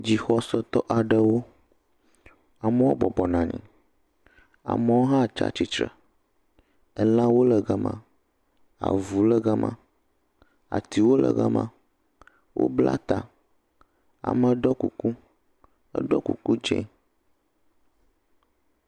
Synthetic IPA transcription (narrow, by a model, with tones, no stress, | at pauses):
d͡ʑi˨xɔ˦sɔ˦t̪ɔ˦ʔa˨ɖə˨wo˦ | a˨mə˦wo̰˦bɔ˨bɔ˨nã˨ɲɛ̰̃˨ | a̰˨mə˦wo˦ɦã˦t͡ʃa̰˦t͡ɕi˦t͡ʃɾə˨ | ə˦lã˦wo˦lə˨ɡa˦mã̰˨ | a̰˨vu˨lə˦ɡa˦mã̰˦ | a̰˨t̪i˨wo˦lə̰˨ɡa˦mã̰˦ | wʔo̰˦bla̰˦t̪a˨ | a̰˨mə˦ɖɔ˦ku˨ku˦ | ə̰˦ɖɔ˦kṵ˨ku˦d͡ʒɛ̰̃˦